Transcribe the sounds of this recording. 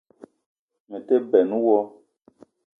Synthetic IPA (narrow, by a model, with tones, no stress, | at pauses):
me˨te˦bɛ˨nũ˦wɔ˦